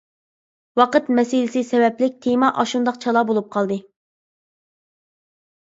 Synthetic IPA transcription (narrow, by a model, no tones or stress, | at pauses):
wɑqət̪mɛsilɪsɪsɛwɛplɪk̚ʲt̪ʰemɑʔɑʃund̪ɑqt͡ʃʰɑlˠɑbolˠup̚qʰɑlˠd̪ɨ